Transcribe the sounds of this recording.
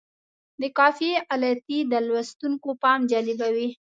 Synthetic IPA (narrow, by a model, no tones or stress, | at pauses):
d̪əkɑfeʔalajt̪id̪əlwast̪uŋkopɑmd͡ʒɑlibawi